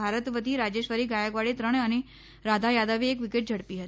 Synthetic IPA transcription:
aɾət̪ʋət̪iːɾad͡ʑeɕʋəɾiːɡajəɡʋaɽet̪ɾəɳane | ɾad̪ʱajad̪aʋeekʋikeʈ̚d͡ʑʱəɽpiːɦət̪i̥

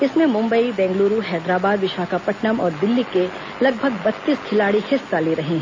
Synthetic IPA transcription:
ɪsmẽmʊ̃mbəibɛ̃ːŋɡluːɾuɦɛːd̪ɾaːbaːd̪ʋɪʃaːkapɐʈnəmɔːɾd̪ɪlːike | lɐɡ̚bʱɐɡbɐt̪ːiːskʰɪlaːɽixʰɪstaliɾɐɦĩː

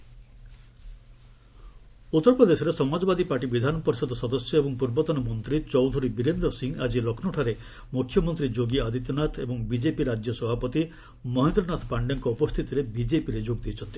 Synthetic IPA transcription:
ut̪ːɔɾpɔd̪esɔɾesɔmad͡ʒɔbad̪ipaʈibid̪ʱanɔpɔɾisɔd̪ɔsɔd̪ɔsjɔebɔŋpuɾbɔt̪ɔnɔmɔnt̪ɾit͡ʃɔwd̪ʱuɾibiɾend̪ɾɔsiŋad͡ʒilokʰnɔʈʰaɾe | mukʰjɔmɔnt̪ɾid͡ʒoɡiad̪ʱit̪ɔnat̪ʰebɔŋbid͡ʒepiɾad͡ʒjɔsɔbʱapɔt̪i | mɔɦend̪ɾɔnat̪ʰɔpaɳɖɔŋkɔupɔst̪ʰit̪iɾebid͡ʒepiɾed͡ʒoɡ̚d̪it͡ʃʰɔnt̪i̥

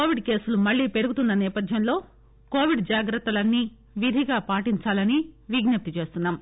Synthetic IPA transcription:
koːʋiɖke̞ːsulumɐɭːiːpe̞ɾuɡut̪unːɐnɛːpɐd̪ʱjɐmlo̞ː | ko̞ːʋiɖd͡ʒaːɡɾɐt̪ːɐlɐnːiː | ʋid̪ʱiɡaːpaːʈiɲt͡ʃaːlɐniʋiɡnɐp̚t̪it͡ʃe̞ːst̪unːaːm

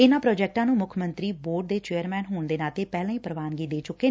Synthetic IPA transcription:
ɪnãːpɾɔːd͡ʒɛːk̚ʈãːnũːmʊkʰmənt̪ɾiːboːɖ̚d̪eːt͡ʃeːəɾmɛːnɦoːɳd̪eːnaːt̪eːpɛːlãːĩːpəɾəʋaːnɡiːd̪eːt͡ʃʊkːeː

